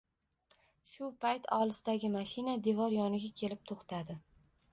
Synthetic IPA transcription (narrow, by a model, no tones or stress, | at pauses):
ʃʊpʰajt̪ʰɒlˠɪsɪd̪aɡʲɪmaʃɪnad̪e̞vɒɾjɒnɪɡʲakʲʰe̞lɪp̚t̪ʰoχt̪ʰad̪ɪ